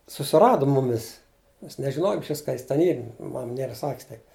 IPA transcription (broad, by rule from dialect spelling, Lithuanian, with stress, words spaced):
sʊsʲɪˈrɑːdoː ˈmʊmʲɪs mʲɛs nʲɛʒʲɪˈnoːjoːm ɪʃʲˈʋʲɪs kɐ ˈjɪs tʲɛn ˈiːr ˈmɐm ˈnʲiɛrɐ ˈsɑːkʲɪs tɐɪ